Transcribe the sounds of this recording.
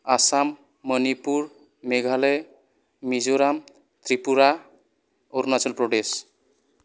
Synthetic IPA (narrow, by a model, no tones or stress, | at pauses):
asamː | ənipuɾ | meɡʱale | mid͡ʒoɾam | t̪ɾipuɾa | oɾnat͡ʃəlpɾoɖes